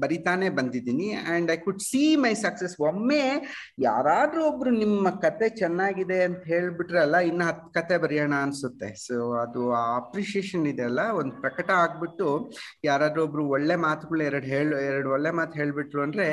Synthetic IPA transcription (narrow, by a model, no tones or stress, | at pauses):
bɐɾit̪aːne̞ːbɐnd̪id̪iːniɐɳɖɐjkuɖsiːmɐjsɐksesʋomːeː | ja̰ːɾaːd̪ɾuobɾunimːɐkɐt̪e̞t͡ʃɛnːaːɡid̪e̞ɐnt̪ɐɦe̞ːɭbiʈɾeɐlːɐinːɐɦɐt̪ːkɐt̪e̞bɐɾijaːɳɐːnsut̪ːe̞soːɐd̪uaɐpɾiʃieːʃɐnid̪eɐlːɐond̪upɾɐkɐʈɐaːɡ̚biʈːujaːɾaːd̪ɾuɐbɾuɔɭːe̞maːt̪uɡɐɭuɛɾɐɽɦeːɭɛɾɐɽɔɭːemaːt̪ɦe̞ːɭbiʈɾuɐnd̪ɾe̞